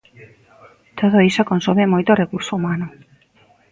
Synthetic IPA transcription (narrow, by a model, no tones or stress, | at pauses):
t̪ʰoðoisokonsomemojt̪orekuɾsoumanʊ